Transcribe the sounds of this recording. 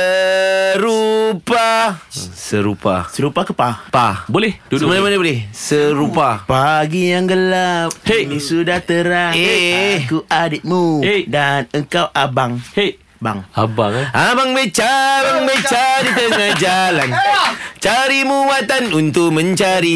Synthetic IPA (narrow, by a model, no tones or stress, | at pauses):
əɾupa | səɾupa̰səɾupakəpapabolɛhmanamanabolɛhsəɾupapaɡijaŋɡəlap̚enisudaht̪əɾaŋekuʔadɪt̪̚muedanəŋkawʔabaŋe | ba̰ŋabaŋabaŋbət͡ʃabaŋbət͡ʃadit̪əŋahd͡ʒalant͡ʃaɾimuwat̪anunt̪ʊk̚mə̃ɲt͡ʃaɾi